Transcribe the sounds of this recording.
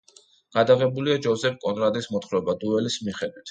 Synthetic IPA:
ɡ̥ad̪aʁɛbuliad͡ʒɔzɛpʰkʼɔnɾad̪ismɔt̪χɾɔbad̪uɛlismiχɛd̪wit̪ʰ

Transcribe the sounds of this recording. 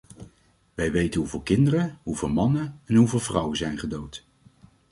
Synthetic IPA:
ʋɛjʋejtənɦuvɪːlˠkɪndərəɦuvɪːlˠmɑnəɛnɦuvɪːlˠvrʌwəzɛjnχədowt

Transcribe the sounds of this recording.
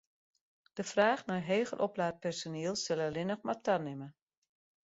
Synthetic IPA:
d̥əfraːχnajɦeːɣə̰rʔɔplaːt̚pɛrsoniːəlˠsɪlˠəlɪnəxmatʰanɪmə

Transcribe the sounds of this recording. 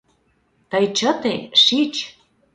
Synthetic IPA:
t̪əjt͡ɕət̪eʃit͡ɕ

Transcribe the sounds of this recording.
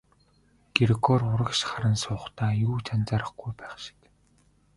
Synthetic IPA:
ɡ̥eɾɣɔrʊɾə̆kʃχaɾə̆nsʊːχt̪aːjuːt͡sʰant͡saːɾə̆χɡujpæːχʃɪ̥̆k

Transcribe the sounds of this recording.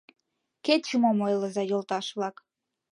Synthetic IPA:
ket͡ɕumomojləzɑjolt̪ɑʃβlɑk

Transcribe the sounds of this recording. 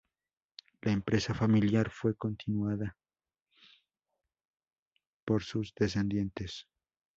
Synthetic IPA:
laempɾe̞safamiljaɾfwe̞ko̞nt̪inwaða | po̞ɾsuzðe̞s̬e̞nd̪je̞nt̪e̞s

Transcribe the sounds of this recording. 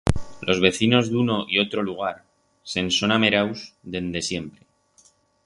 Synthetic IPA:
lo̞zβe̞θino̞zðuno̞ʔio̞t̪ɾo̞luɣ̞aɾ | se̞nso̞name̞ɾawsd̪e̞nd̪e̞sje̞mpɾe̞

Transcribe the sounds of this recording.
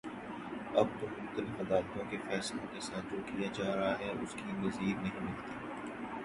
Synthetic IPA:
ɐb̚t̪omʊxt̪əlɪfmɐd̪aːlt̪õkefɛːslõkesaːt̪̚d͡ʒoːkijad͡ʒaːɾɐɦaɦɛʊ̰skinɐziːɾnɐɦĩmɪlt̪iː

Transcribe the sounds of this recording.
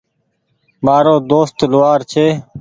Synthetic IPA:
maːɾoːd̪oːst̪lʊʋaːɾt͡ʃʰeː

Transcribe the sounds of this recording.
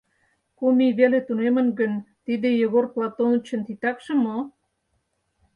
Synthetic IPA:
komiβelet̪unemə̆nɡynt̪id̪ejə̆ɣorklɑt̪onut͡ɕʰə̆nt̪it̪ɑkʃə̆mo

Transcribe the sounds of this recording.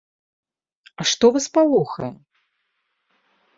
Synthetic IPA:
ɐʂt̪ɔvɐspalˠɔxɐjɛ

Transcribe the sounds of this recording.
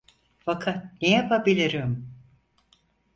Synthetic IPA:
fakʰat̪̚nejapʰabilʲiɾim

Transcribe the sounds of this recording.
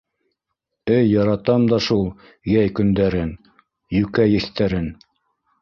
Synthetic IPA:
ɘjːɑɾɑt̪ɑmd̪ɑʃulˠ | jæjkɵ̆nd̪æɾɘn | jɵkæjɘ̆θt̪æɾɘn

